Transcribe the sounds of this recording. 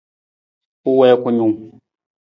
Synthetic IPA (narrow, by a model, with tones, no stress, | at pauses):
u˦wɛ˦kʷu˨˦ɲu˨ŋ